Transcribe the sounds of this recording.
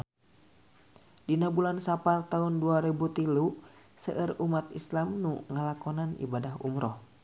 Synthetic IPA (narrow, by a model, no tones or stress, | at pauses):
dinabulansapart̪aɦunduaɾibut̪ilu | səʔərumat̪̚islamnuŋəlakɔnanḭbadaɦṵmɾɔh